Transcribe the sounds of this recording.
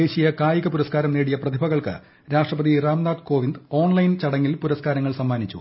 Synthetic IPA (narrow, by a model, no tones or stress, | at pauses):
eːɕijɐkaːjiɣɐpuɾɐskaːɾɐmneːɽijɐprɐd̪ʱibʱɐɣɐɭkɨ̰ | ɾaːʂʈrɐbɐd̪iraːmnaːd̪ko̞ːʋind̪o̞ːɳlɐjnt͡ɕɐɽɐŋːilpuɾɐskaːɾɐŋːɐɭsɐmːaːnit͡ɕːṵ